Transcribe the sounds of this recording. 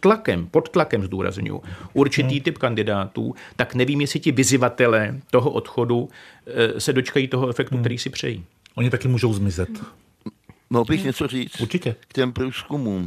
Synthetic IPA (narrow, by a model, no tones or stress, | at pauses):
t̪lakɛ̰mpo̞t̪t̪lakɛmzduːɾa̰zɲʊ̰jṵʔuɾt͡ʃɪt̪iːt̪ɪpkandɪdaːt̪ṵːt̪aknɛviːmjɛsɪcɪvɪzɪvat̪ɛlɛːt̪o̞ɦo̞ʔo̞t̪xo̞du | sɛdo̞t͡ʃkajiːt̪o̞ɦoɛfɛkt̪ukt̪ɛɾiːsɪpr̝̥ɛ̰jḭː | ʔoɲɪt̪akɪmuːʒo̞wzmɪzɛt̪ | moɣbɪxɲɛt͡soriːt͡suɾt͡ʃɪcɛkcɛmpɾuːskumuːm